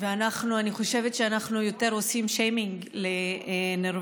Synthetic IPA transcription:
veanaχnuaniχo̞ʃe̞vet̪ʃeanaχnujo̞te̞ʁo̞simʃejmiŋɡ | leneʁ

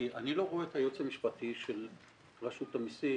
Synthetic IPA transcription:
ʔaniloʁoeet̪hajot͡samiʃpatʰiʃel | ʁaʃut̪amisi

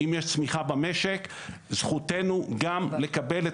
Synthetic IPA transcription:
imjeʃt͡smiχabame̞ʃek | zχute̞nuɡamle̞kabele

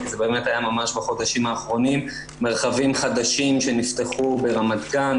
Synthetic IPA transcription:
kizebe̞ːme̞thajamamaʃbaχo̞d̪aʃimhaːχʁo̞nimː | e̞ʁχavimχad̪aʃimʃe̞nift̪e̞χube̞ʁamad̪kan

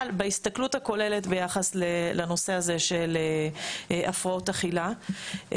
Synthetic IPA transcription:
lbeist̪akluthako̞le̞letbe̞jaχaslelano̞se̞aze̞ʃele | ʔafʁaotaχila

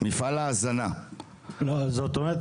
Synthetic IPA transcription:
mifalazanã | lɔzɔt̪ɔ̃ɛ

